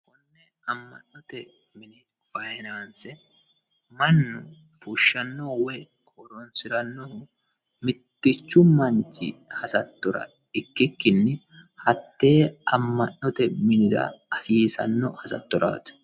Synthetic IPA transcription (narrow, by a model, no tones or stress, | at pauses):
kʊnːɛ | ɐmːɐ̰nːɔt̪ɛ | mɪnɪ | fɐjɛnaːnsɛ | mɐnːʊ | fuʃːɐnːɔwɛ | kʰʼɔɾɔnsɪɾɐnːɔhʊ | mɪt̪ːɪt͡ʃːʊmɐnt͡ʃːɪ̰hɐsɐt̪ːɔɾɐ̰ | ɪkːɪkːɪnːɪ | hɐt̪ːe̞ːɐmːɐnːɔt̪ɛmɪnɪd̪ɐ̰ɐsiːsɐ̰nːɔ̰hɐsɐ̰t̪ːɔɾa̰ːt̪ʊ̥